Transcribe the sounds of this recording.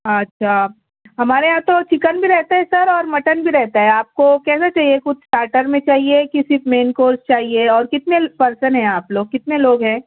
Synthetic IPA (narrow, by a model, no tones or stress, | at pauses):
ɐtːʃʰaː | ɦɐmaːɾeãːt̪ot͡ʃɪkənbʱiɾɛɦt̪aɦɛsɐɾɔːɾmɐʈənbʱiɾɛɦt̪aɦɛaːp̚kokɛːsat͡ʃaːɦiekʊt͡ʃ̪sʈaːɾʈəɾmẽt͡ʃaːɦiekɪsimeːnkoːɾst͡ʃaːɦieɔːɾkɪt̪nepɐɾsənɦɛ̃aːploːɡ̚kɪt̪neloːɡɦɛ̃ː